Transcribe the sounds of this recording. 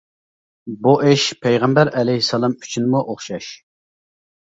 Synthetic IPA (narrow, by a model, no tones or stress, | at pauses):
buʔeʃpʰɛjʁɛmbæɾɛlɛjhisːɑlˠɑmy̥t͡ʃʰynɨmuʔoχʃɑʃ